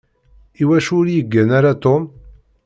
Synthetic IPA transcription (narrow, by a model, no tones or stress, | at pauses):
iwæʃʊɾjəɡːənaɾat̪om